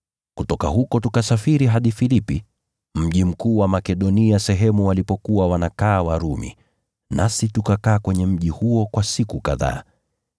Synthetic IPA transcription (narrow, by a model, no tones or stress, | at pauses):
kutɔkaɦukɔtukasafiɾiɦaɗifilipi | m̩ʄim̩kuːwamakɛɗɔniasɛɦɛmuwalipɔkuwawanakaːwaɾumḭ | nasitukakaːkwɛɲɛm̩ʄihuɔkwasikuka̰ða̰ː